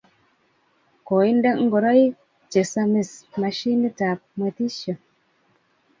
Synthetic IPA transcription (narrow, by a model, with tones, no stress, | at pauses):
ko˨i˦nde˦ŋ̩˦ɡo˨ɾa˦j | t͡ʃe˨sa˦˧mi˨sma˨ʃi˦ni˦ta˨p̚mə˨ti˦ʃə˨